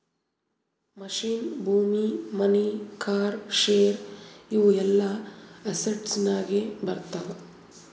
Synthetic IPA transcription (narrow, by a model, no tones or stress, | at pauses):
mɐʃiːnbʱuːmimɐnikaːɾʃeːɾiʋuɛlːɐɐsɐʈsnaːɡebɐɾt̪aʋ